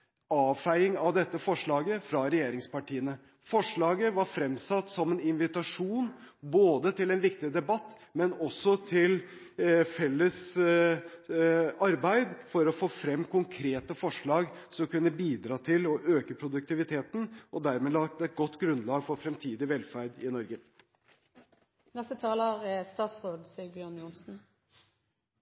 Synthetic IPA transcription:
ɑːʋfæɪɪŋɑʋd̪ɛt̪ːəfɔʂɭɑːɡəfɾɑɾɛjeːɾɪŋspɑʈiːənə | fɔʂɭɑːɡəʋɑɾfɾɛmsɑt̪ːsɔmɛnɪnʋɪt̪ɑʂuːnboːd̪ət̪ʰɪlɛnʋɪkt̪ɪd̪ɛbɑt̪ː | mɛnɔsːɔt̪ʰɪl | fɛlːəs | ɑɾbæɪd̪fɔɾɔfoːfɾɛmːkʰʊŋkʰɾeːt̪əfɔʂɭɑːɡsɔmkʉnːəbiːd̪ɾɑːt̪ʰɪlɔʔøːkəpʰɾʊd̪ʉk̚t̪ɪʋɪt̪ʰeːt̪n̩ʔɔd̪æɾmɛlɑːk̚t̪ɛt̪̚ɡɔt̪ːɡɾʉnlɑːɡfɔɾfɾɛmt̪ʰiːd̪ɪʋɛlfæɾd̪ɪnɔɾɡə | nɛst̪ət̪ʰɑːləʁst̪ɑːt̪sʁoːd̪siːəɾbjøːnjʊnsn̩

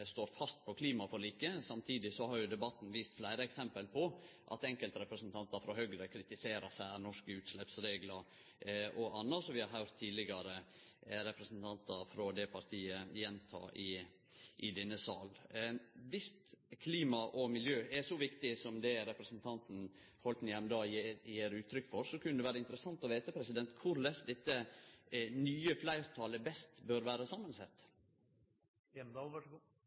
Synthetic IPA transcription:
st̪oːɾfɑst̪̚pʰɔkʰliːmɑfɔɭiːkəsɑmt̪ʰiːd̪ɪsɔhɑɾjʊd̪ɛbɑt̪ːn̩ʋiːst̪flæɪɾəɛksɛmpəlpʰɔ | ʔɑ̰t̪ɛŋkəlt̪ɾɛpɾəsnt̪ʰɑnt̪ɑɾfɾɔhœɡɾəkʰɾɪt̪ɪseːɾəsæɪænɔʂkəʉːt̪slɛpsɾeːɡlɑɾ | ʔɔɑnːɑʂɔʋɪhɑɾɦœʉɾt̪ʰːiːlɪɡɑɾəɾɛpɾəsnt̪ʰɑnt̪ɑɾfɾɔd̪ɛpʰɑɾt̪ʰiːəjɛnt̪ʰɑ̰ːʔɪ | ʔɪd̪ɛnːəsɑːl | ʋɪst̪kʰliːmɑʔɔmɪljøːɛsɔʋɪkt̪ɪsɔmd̪ɛɾɛpɾəsnt̪ʰɑnt̪n̩ | hɔlt̪njɛmd̪ɑːjeːɾʉːt̪ʰːɾʏkːfɔɾsɔkʰʉnːəd̪ɛʋæːɾəɪnt̪əɾəsɑnt̪ɔʋeːɪt̪əpʰɾɛsɪd̪ɛnt̪kʰʊɾlɛsd̪ɛt̪ːə | nyːəflæɪɾt̪ʰɑːləbɛst̪bøɾʋæːɾəsɑmːənsɛt̪ː | d̪ɑʋæɡ

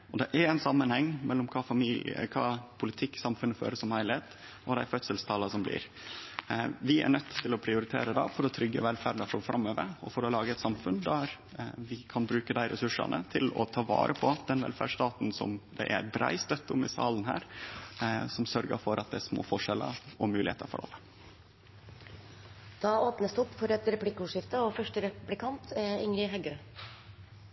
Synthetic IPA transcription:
ɔd̪ɛʔæɾɛɪnsɑmːənhɛŋːmɛlːɔmkʰɑːfɑmilkʰɑːpʰʊlɪt̪ʰɪkːsɑmfʉnːəfø̰ːɾəsɔmhæɪlɪeːt̪ | ɔd̪æɪfœt̪səlst̪ʰɑːlɑsɔmblɪ̰ːɾ | ʋɪæ̰ɳœt̪ːɪlɔpʰɾɪʊɾɪt̪ʰḛːɾəd̪ɑ̰ːfɔɾɔt̪ʰɾʏɡːə̰ʋɛlfæːɾɳəfɾɔfɾɑmːøːʋəɾɔfɔɾɔlɑːɡəɛt̪sɑmfʉnd̪æɾ | ʋɪkʰɑnbɾʉːkəd̪æɪɾɛsʉʂɑ̰nʔə̰t̪ʰɪlɔ̰t̪ʰɑːʋɑ̰ːɾʔəpʰɔt̪d̪ɛnʋɛ̰lfæ̰ʂt̪ɑːt̪nsɔ̰md̪ɛ̰ʔæɾbɾæ̰ɪst̪œt̪ːʊmɪsɑ̰ːlənɦæ̰ːɾ | sɔmsœɾɡə̰fɔɾʔɑt̪̚d̪ɛæʂsmo̰ːfɔʂɛlə̰ɾɔmʉːlɪhḛːt̪əɾfɔ̰ɾɑ̰lːə | d̪̥ɑːoːpnəsd̪əɔpːfɔɾɛt̪ɾɛplɪkːəuːʂɪft̪əɔfœʂʈəɾɛplɪkʰɑnt̪ɪŋɾɪɦæɡøː

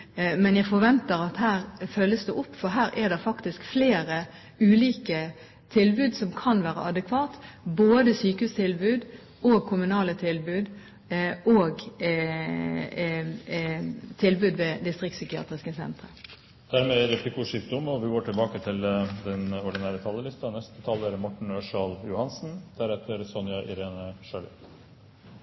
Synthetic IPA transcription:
mɛnjæfɔɾʋɛnt̪əɾɑt̪hæːɾfœlːəsd̪ɛʔʊpːfɔɾɦæːɾʔɛd̪ɛɾfɑkt̪ɪskfleːɾə | ʉːliːkə | t̪ʰɪlbʉːd̪sɔmkʰɑnʋæːɾə̰ʔɑd̪ɛkʰʋɑːt̪boːd̪əsyːkəhʉːst̪ʰɪlbʉːd̪ | oːɡ̚kʰʊmʉnɑːlət̪ʰɪlbʉːd̪ | ʔoːɡ | t̪ʰɪlbʉːd̪ʋed̪ɪst̪ʁɪk̚t̪sʏkɪɑ̰ːt̪ʁɪskəsɛ̰nt̪ʁə | d̪̥æɾmeɾɛplɪkʊʂiːkd̪ʊmɔʋɪɡoːʈʰɪlbɑːkət̪ʰɪld̪ɛnɔɖɪnæːɾət̪ʰɑlːəlɪst̪ɑnɛst̪ət̪ʰɑːlːəɾmɔʈːɳ̩øːʂɑljʊhɑnsn̩d̪̥æɾɛt̪ʰːəɾsɔnjɑʔɪ̰ɾeːnəʃøːlə̰

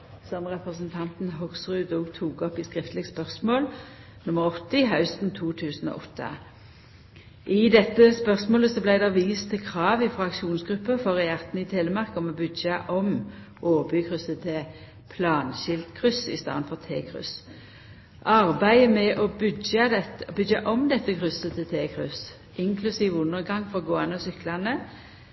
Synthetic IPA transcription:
sɑmʁɛpʁəsnt̪ʰɑnt̪n̩ɦɔɡsʁʉːd̪uːɡt̪ʰuːɡɔpɪskʁɪft̪lɪɡspœʁsmoːl | nʊməʁɔt̪ːəɪɦɑʉst̪n̩t̪ʰuːt̪ʰʉːsn̩o̰ːʔɔt̪ʰːə̰ | ʔɪd̪ɛt̪ːəspœʁsmoːləsɔblæɪd̪ʋiːst̪ʰːɪlkʰʁɑːʋɪfʁɑːɑkʃuːnsɡʁʉpːəfɔʁɛjæʁt̪n̩ɪt̪ʰeːləmɑʁkɔmɔbʉd̪jəʔɔm | ʔoːʋəbyːkʰʁʏsət̪ʰɪ | pʰlɑːnɕɪlt̪kʰʁʏsɪ̰st̪ɑ̰ːʁənfɔʁt̪ʰeːkʰʁʉ̰s | ʔɑʁbæɪəmɛʔɔbʏdəbʏd̪jəʔɔmd̪ɛt̪ːəkʁʏsət̪ʰɪt̪ʰeːkʰʁʉs | ʔɪŋkʰlʉsiːʋəʉnəʁɡɑŋfɔʁɡoːɛnəɔsʏklɑnə

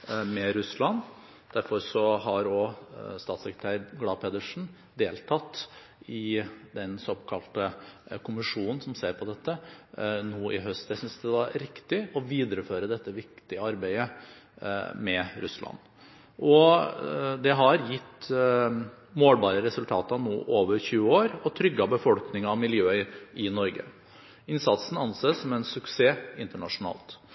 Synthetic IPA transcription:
mɛɾʉslɑn | d̪̥æɾfɔɾsɔɦɑɾɔst̪ɑːt̪sɛkɾət̪ʰæːɾɡlɑːpʰeːd̪əʂn̩ | d̪eːlt̪ʰɑt̪ː | ɪd̪ɛnsɔkʰɑlt̪əkʰʊmɪʂuːnn̩sɔmseːɾpʰɔd̪ɛt̪ːənuːʔɪɦœst̪æsʏnsd̪ɛʋɑɾɾɪkt̪ɪɔʋiːd̪əɾəføːɾəd̪ɛt̪ːəʋɪkt̪ɪəɑɾbæɪə | mɛɾʉslɑ̰n | ʔɔ | d̪ɛɦɑɾjɪt̪ː | moːlbɑːɾəɾɛsʉlt̪ʰɑːt̪əɑnṵːʔoːʋəɾçʉːəoːɾɔt̪ʰɾʏɡːɑbəfɔlknɪŋɑmɪljøːɪnɔɾɡə̰ | ɪnsɑt̪sn̩ɑnsesɔmɛnsʉkseːɪnt̪əɳɑʂʊnɑ̰ːlt̪

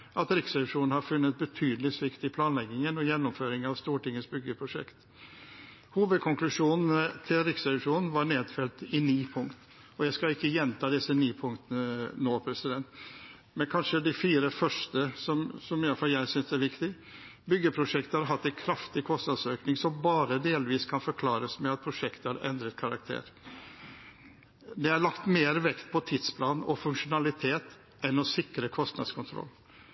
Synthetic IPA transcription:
ʔɑt̪ɾɪksɛʂuːnn̩hɑɾfʉnːət̪̚bət̪ʰyːd̪əlɪsʋɪkt̪ɪpʰlɑːnlɛɡɪŋənɔjɛnːɔmføːɾɪŋɑʋst̪uːʈɪŋːəsbʏɡːəpʰɾʊʂɛ̰kt̪ | huːʋəd̪̚kʰɔŋklʉʂuːnn̩ət̪ʰɪlɾɪksɛʂuːnn̩ʋɑɾɳeːd̪fɛlt̪ɪniːpʰʊŋkt̪ | ɔjæɪskɑlɪkːəjɛnt̪ʰɑːd̪ɪsːəniːpʰʊŋkt̪nənoːpʰɾɛsɪd̪ɛnt̪ | mɛnkʰɑnʂəd̪ɪfiːɾəfœʂʈəsɔmsɔmɪjɑlfɑljæɪsʏnsæɾʋɪkt̪ɪ | bʏɡəpʰɾʊʂɛkt̪əhɑɾɦɑt̪ːæɪnkʰɾɑft̪ɪkʰɔst̪nɑd̪søːknɪŋsɔmbɑːɾəd̪eːlʋiːskʰɑnfɔɾkʰlɑːɾəsmɛɑt̪̚pʰɾʊʂɛkt̪əhɑɾɛ̰nd̪ɾət̪kʰɑɾɑkt̪ʰḛːɾ | d̪ɛɑɾɭɑkt̪meːɾʋɛkt̪̚pʰɔt̪ʰɪd̪spʰlɑːnɔ̰fʉŋʂʊnɑlɪt̪ʰeːt̪ | ʔɛnɔsɪkɾəkʰɔst̪nɑ̰d̪skʰʊnt̪ʰɾɔ̰lː

